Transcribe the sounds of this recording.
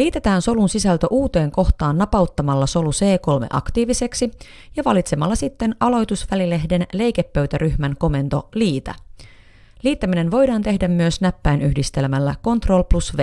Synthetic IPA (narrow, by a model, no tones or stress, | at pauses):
liːt̪e̞t̪æːnso̞lunsisælt̪æʔuːt̪e̞ːŋko̞xt̪ɑːnːɑpɑuwt̪ːɑmɑlːɑso̞luse̞ːko̞lme̞̰ʔɑ̰kt̪iːʋise̞ksi | jɑʋɑlit̪se̞mɑlːɑsit̪ːe̞nɑlo̞jt̪usʋælile̞ɦde̞nle̞jkepːøɥt̪æɾyçmæŋko̞me̞nt̪o̞̰liːt̪æ̰ | liːt̪ːæmine̞nʋo̞jdɑːnt̪e̞hdæmːyøsnæpːæjnʔyhdist̪e̞lmælːæko̞nt̪ro̞lplusʋe